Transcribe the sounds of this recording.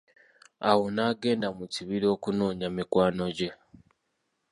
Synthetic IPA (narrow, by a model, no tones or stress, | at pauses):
awonaːɡe̞ːndamuciβiɾio̞ːkunoːɲamikwaːno̞ɟe̞